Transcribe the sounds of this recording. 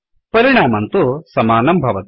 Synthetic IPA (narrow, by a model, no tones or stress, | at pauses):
pɐɾiɳ̃aːmɐnt̪usɐmaːnɐmbʱɐʋɐt̪